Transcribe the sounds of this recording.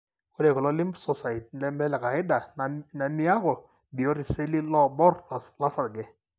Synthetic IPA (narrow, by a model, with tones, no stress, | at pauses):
kɔ˦dɛ˨kɔ˨lɔ˦lɪ˦mbsɔ˨sa˨i˨t̚lɛ˦mbɛ˦lɛ˨ka˨ɪ˦da˨na˨mi˦a˦kɔ˨ | bi˨ɔ˦ɾi˨se˦li˦lɔ˦bɔ˦rla˦sa˨dɡɛ˨